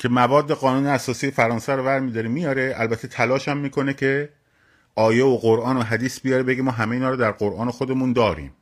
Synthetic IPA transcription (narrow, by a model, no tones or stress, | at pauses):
cʰe̞mævɒːd̪ːe̞ɣɒːnuːneæsɒːsiːjefæɾɒːnsæɾovæɾmiːd̪ɒːɾemijɒɾe̞ʔælbæt̪ʰːet̪ʰælɒːʃæmːiːkʰo̞necʰe | ɒːjeoɢoɾʔɒːnoɦæd̪iːsbijɒɾebe̞ɡimɒːɦæmeiːnɒːɾod̪æɾɢoɾʔɒːnexod̪e̞mund̪ɒːɾḭːm